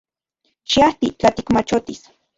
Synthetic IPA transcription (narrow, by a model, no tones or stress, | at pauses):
ʃiaht̪it͡ɬat̪ikmat͡ʃot̪is